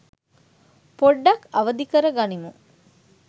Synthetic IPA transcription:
poɖːɐkɐʋəd̪ikəɾəɡanimu

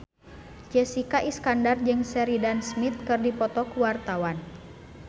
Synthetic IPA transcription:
d͡ʒɛsikaʔiskandard͡ʒɨŋsɛɾidansmit̪̚kɨrdipɔt̪ɔkuwart̪awan

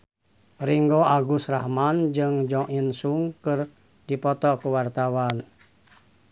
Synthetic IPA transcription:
ɾiŋɡoaɡusrahmand͡ʒɨŋd͡ʒɔŋʔinsuŋkɨr | dipɔt̪ɔkuwart̪awan

